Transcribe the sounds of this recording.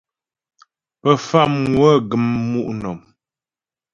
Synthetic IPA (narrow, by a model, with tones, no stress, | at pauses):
pə˨fa˦˨mŋwə˦ɡə˨mːu˦ʔnɔ˨m